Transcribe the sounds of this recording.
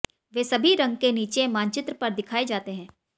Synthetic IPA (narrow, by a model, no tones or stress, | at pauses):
ʋeːsɐbʱiɾɐ̃ŋɡkeniːt͡ʃemãːnt͡ʃɪt̪ɾpɐɾd̪ɪkʰaːed͡ʒaːt̪eɦɛ̃ː